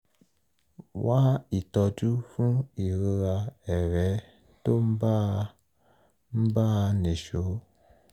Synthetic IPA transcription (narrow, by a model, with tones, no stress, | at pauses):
wa˦i˨tɔ˧d͡ʒu˦fũ˦i˨ɾe˧ɾa˧ɛ˨ɾɛ˨˦ | to˦m̩˦ba˦ | m̩˦ba˦˧ne˨ʃo˨˦